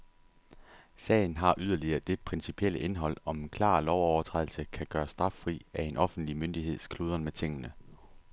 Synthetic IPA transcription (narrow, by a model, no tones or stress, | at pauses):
sɛ̰ːɪn̩ɦɑ̈ʔyð̞ˠɐliɐːd̥e̝pʰʁɛnsipʰiel̰əʔe̝nɦɒ̽l̰ɒ̽menkʰlɑ̰̈ːlɒʊɒʊɐt͡sʰʁɛð̰ˠl̩səkʰæɡ̥ɶːɐsd̥ʁɑ̈fʁḭːæe̝nʔɒ̽fn̩d̥limønd̥iɦe̝ð̞̰ˠskʰluːð̞ˠɐnmet͡sʰe̝ŋ̰ənə